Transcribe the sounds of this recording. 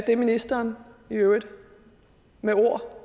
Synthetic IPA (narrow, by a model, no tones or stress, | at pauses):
d̥e̝minisd̥ɐːniøʊəd | meo̝ɐ̰